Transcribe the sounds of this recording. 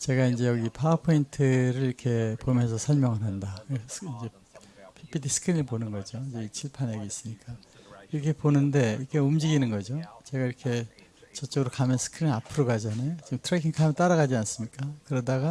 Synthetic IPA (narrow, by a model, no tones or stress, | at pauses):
t͡ɕe̞ɡaind͡ʑe̞jʌɡipʰapʰointʰɯɾɯɭiɾʌkʰe̞pomjʌnsʰʌsʰʌɭmjʌŋɯɾɦandakind͡ʑe̞ | pʰipʰitʰisʰɯ̥kʰɾiŋiɭponɯnɡʌd͡ʑoind͡ʑe̞it͡ɕʰiɭpʰaneɡiis͈ɯmɲik͈a | iɾʌkʰe̞ponɯnde̞ikʰeumd͡ʑiɡinɯnɡʌd͡ʑot͡ɕe̞ɡaiɾʌkʰe̞ | t͡ɕʌt͡ɕ͈ʌɡɯɾokamjʌnsʰɯ̥kʰɯɾinapʰɯɾoɡad͡ʑʌne̞t͡ɕimtʰɾekʰiŋkʰamet͈aɾaɣad͡ʑians͈ɯmɲik͈akɯɾʌdaɡa